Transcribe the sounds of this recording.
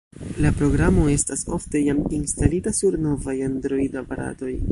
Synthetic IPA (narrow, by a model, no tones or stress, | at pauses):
lapɾo̞ɡɾamo̞e̞staso̞fte̞jaminstalitasuɾno̞vajandɾo̞jdapaɾa̰to̞j